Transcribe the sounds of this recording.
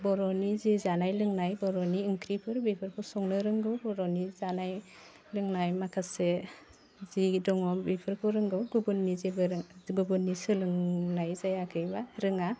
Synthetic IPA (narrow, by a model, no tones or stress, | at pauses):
bɔɾɔnizizanajlɯŋnajbɔɾɔniɯŋkʰɾipʰɯɾbipʰɯɾkʰɔsɔŋnɯɾɯŋɡɯwbɔɾɔnizanaj | lɯŋnajmakʰase | zidɔŋɔbipʰɯɾkʰɔɾɯŋɡɯwɡubɯnːizebɯɾɡɯbɯnːisɯlɯŋnajzajakʰɯjbaɾɯŋa